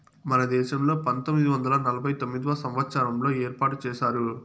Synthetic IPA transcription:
mɐnɐd̪eːsɐmlɐpɐnt̪ɔmːɪðɯʋɐnd̪ɐlaːnɐlɐbɐɪt̪ɔmːɪd̪ʋaːsɐmʋaːt͡ʃːaːɾɐmloːeːɾpaːʈɯt͡ʃeːsaːɾɯ

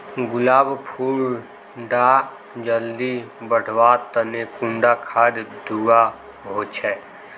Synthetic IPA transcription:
ɡʊlaːbpʰuːɾ | ɖa | d͡ʒəld̪ibəɽ̤wat̪ənekũɳɖakʰad̪d̪ua | ɦoːt͡ʃʰɛː

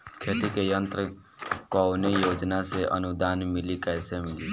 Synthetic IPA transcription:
kʰet̪ikejənt̪ɾə | kɔʊnejod͡ʒnaseʔə̰nud̪anmilikaesemili

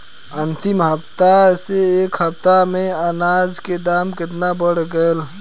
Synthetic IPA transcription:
ənt̪imɦəpt̪aseːkɦəp̚t̪ameənad͡ʒked̪amkɪt̪nabəɽ̤ɡəel

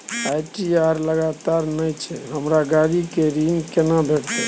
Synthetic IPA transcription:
ajʈiaɾləɡat̪aɾnəjt͡ʃʰɛɦəmɾaɡaɽikeɾinkenabʱeʈɛ

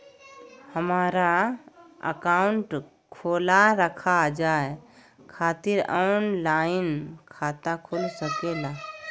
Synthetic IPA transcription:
həmaːɾa | ə̰kaːʊɳʈ | kʰoːlaɾəkʰad͡ʒaːe | kʰaːt̪ɪɾə̰nlaːɪnkʰaːt̪akʰʊlsəkela

